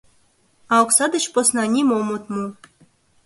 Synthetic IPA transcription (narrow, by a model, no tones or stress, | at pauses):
ɑuksɑd̪ə̆t͡ɕposnɑnʲimomut̪mu